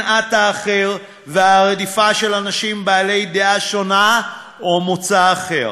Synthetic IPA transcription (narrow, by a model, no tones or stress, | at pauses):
ʔat̪aːχe̞ʁ | veaʁed̪ifaʃe̞lanaʃimbaːle̞jd̪eʔaʃo̞na | omot͡saːχe̞ʁ